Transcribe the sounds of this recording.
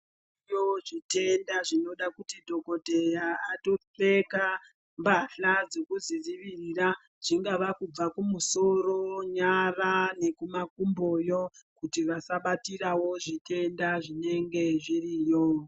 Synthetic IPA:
ijoʐite̞ndaʐino̞ɗakutidʱo̞ko̞te̞jaːto̞fe̞ka | mbaɬad͡ze̞kuziziʋirira | ʐ̥iŋɡaʋakub͡vakumuso̞ro̞ɲarane̞kumakumbo̞jo̞kutiʋasaɓatirawo̞ʐitʰe̞ndaʐine̞ŋɡe̞ʐirijo

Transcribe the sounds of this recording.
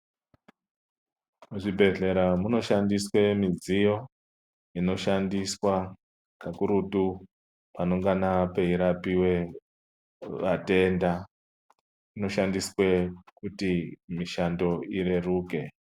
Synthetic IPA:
muʐibʱe̞ɮe̞ɾamuno̞ʃandiswe̞mizijo̞ | ino̞ʃandiswa | kakuɾutu | pano̞ŋɡanape̞iɾapiwe̞ | ʋate̞nda | ino̞ʃandiswe̞kutimiʃando̞iɾeruːke̞

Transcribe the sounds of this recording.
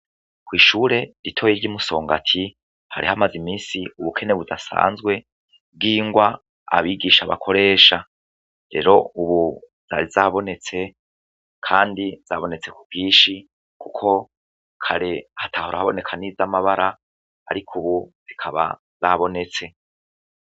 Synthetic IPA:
kwiːʃuːɾe̞ɾitʰo̞jiɾɟimuso̞ːŋɡatʰi | ha̰ɾihamazimiːsiuβukʰe̞neβudasa̰ːnzɡwe̞ | b̚ɡiːŋɡwa | a̰βiɡiʃaβa̰kʰo̞ɾe̞ːʃa | ɾe̞̰ɾo̞uβu | z̥aɾizaːβo̞ne̞t͡se̞ | kʰaːndiz̥aβo̞ne̞t͡se̞kuɡ̥ɡiːʃi | kʰukʰo̞ | kʰaɾe̞hatʰaːhuɾahaβo̞ne̞kʰanizamaβaɾa | a̰ɾikʰuβuz̥ikʰaβa̰ | zaβo̞ne̞t͡se̞

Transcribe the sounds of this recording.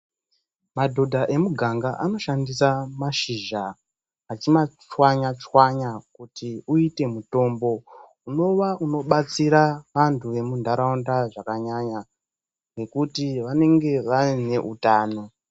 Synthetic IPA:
madʱo̞dʱaʔe̞muɡʱaŋɡaʔano̞ʃandisamaʃiʒaː | t͡ʃimat͡ʃwaɲat͡ʃwaɲakutiuite̞muto̞ːmbo̞ | uno̞ʋauno̞ɓat͡siɾaʋantʰuʋe̞mundʱaɾaundaʐakaɲaɲa | ne̞kutiʋane̞ŋɡe̞ʋaine̞ʔutaːno̞

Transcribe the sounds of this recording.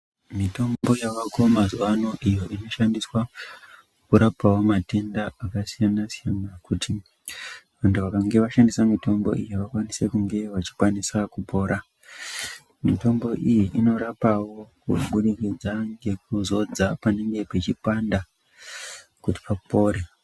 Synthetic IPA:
mito̞mbo̞jaʋako̞mazuwano̞ʔijo̞ʔino̞ʃandiswa | kuɾapawo̞mate̞ndaakasijanasijanakuti | ʋantʰuʋakaŋɡe̞ʋaʃandisamito̞mbo̰ʔijiʋakwanise̞kuŋɡe̞ʋat͡ʃi̥kwanisakupo̞ːɾʔa | mito̞mbo̞ʔijiʔino̞ɾapawo̞kṵɓuɗikid͡zaŋɡe̞k̚uzo̞d͡zapane̞ŋɡe̞pe̞t͡ʃipanda | kuti̥papo̞ːɾe

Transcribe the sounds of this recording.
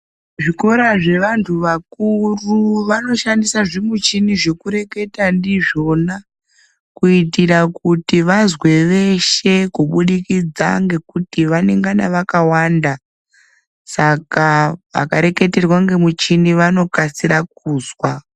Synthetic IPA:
ʐiko̞ɾaʐe̞ʋantʰuʋakuruʋano̞ʃandisaʐimut͡ʃiniʐe̞kuɾe̞ke̞tandiʐo̞na | kuitirakutiʋazwe̞ʋe̞ʃe̞kuɓuɗikid͡za̰ŋɡe̞kutiʋane̞ŋɡanaʋakawanda | sakaʋa̰kaɾe̞ke̞te̞rwaŋɡe̞mut͡ʃiniʋano̞kasiɾak̚uːzwa

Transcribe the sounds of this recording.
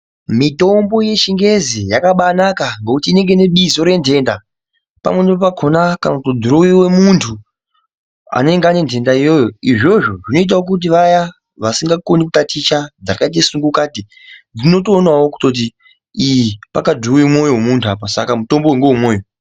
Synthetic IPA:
mito̞mbo̞je̞ʃiŋɡe̞zijakaɓanakaŋɡokutiːne̞ŋɡe̞ne̞ɓizo̞ɾe̞nde̞nda | pa̰mwenipapakʰonakanakutdʱuɾuwiwe̞muntʰu | a̰ne̞ŋɡeane̞ntʰe̞ndaijo̞joiʐo̞ʐo̞ʐino̞it̬awok̬ut̬iʋaja | ʋasiŋɡakonikutatit͡ʃad͡zakait̬esuŋɡukati | d͡zino̞toːnawoku̥to̞t̬i | ipa̰kadʱuuimo̞jowemuntʰuapasa̰kamuto̞mboweŋɡewemwoːjo̞

